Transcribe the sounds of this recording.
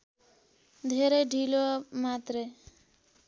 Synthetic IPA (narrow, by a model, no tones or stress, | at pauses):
d̪ʱeɾeɖʱilomat̪ɾe